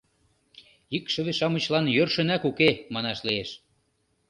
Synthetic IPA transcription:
ikʃə̆βeʃɑmə̆t͡ɕlɑnjørʃə̆nækukemɑnɑʃlieʃ

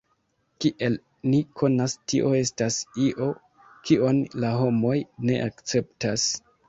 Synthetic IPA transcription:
kiʔe̞l | nikʰo̞nastiʔo̞e̞stasiʔo̞ | kʰio̞nlaɦo̞mo̞jne̞̰ʔakt͡se̞p̚tas

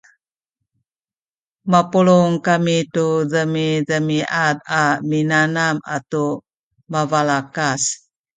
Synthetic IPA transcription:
mapuluŋkamituzəmizəmiʔat̪aminanama̰tu | mavalakas

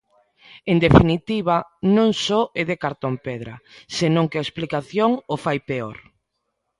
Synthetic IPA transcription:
end̪efinit̪iβ̞anõŋsɔeðekaɾt̪ompeðɾɐ̰senõŋkeaesplikaθjoŋofajpeo̰ɾ

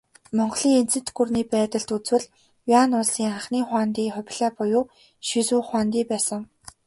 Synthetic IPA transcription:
mɔɴɢɮiːŋen̥t͡sɘ̥̆t̪ɡurniːpæːt̪ə̆ɬt̪ut͡swɘ̆ɮ | janʊsiːŋχaχniːχwaːnt̪iːχʊpʲɮæːpʊjʊː | ʃisuːχwaːnt̪iːpæːsə̆ŋ

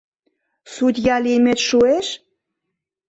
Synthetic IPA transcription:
sud̪ʲjɑlimet̪ʃueʃ

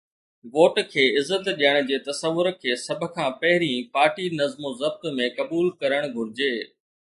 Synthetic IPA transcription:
ʋoːʈkʰeːɪzːət̪ɗiəɽ̃ʊ̆d͡ʑeːt̪ɐsəʋːʊɾkʰeːsɐbʱə̆kʰãːpɐɦɪɾĩpaːɾʈinɐzmozɐb̚t̪mẽkɐbuːlkɐɾəɽ̃ɡʱʊɾɪd͡ʑeː

